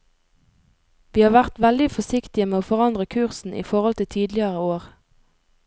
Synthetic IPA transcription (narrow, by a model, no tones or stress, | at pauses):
ʋiːhɑːʋæʁt̪ʋɛld̪ɪfɔsɪkt̪ɪəmeːoːfɔʁɑnd̪ʁəkʰʉʁsn̩ḭːfɔʁɔlt̪ʰɪt̪ʰiːd̪lɪəʁəoːʁ